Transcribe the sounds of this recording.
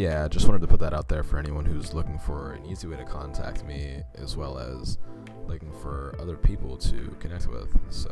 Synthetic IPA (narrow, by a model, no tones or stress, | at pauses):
jæaɪd͡ʒʌst̚wɑ̃ntɨtʰɨpʰʊt̪̚ðəɾʔaʊt̪̚ðə˞fə˞ɛniwʌ̃nhʉzlʊkɪ̃ŋfə˞ɨ̰̃niziweɪɾɨkʰɑ̃ntʰæ̰k̚t̚miɨzwɛlˠə̰z̥ | lʊkɪ̃ŋfə˞ʌðə˞pʰipl̩ˠtʰɨ̰kʰɨnɛk̚t̚wɪ̰ð̥so